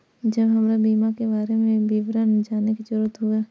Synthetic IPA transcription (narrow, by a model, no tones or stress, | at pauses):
d͡ʒəbɦəmɾabiːmakebaːɾemẽbiːʋɾənd͡ʒaːnekid͡ʒʊɾət̪ɦoaː